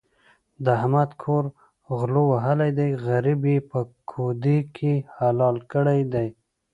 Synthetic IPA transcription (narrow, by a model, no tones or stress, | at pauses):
d̪əɦamad̪kʰoɾ | ɣlowaɦəlajd̪ajɣaɾibepəkʰod̪ikʰehalɑlkəɽajd̪aj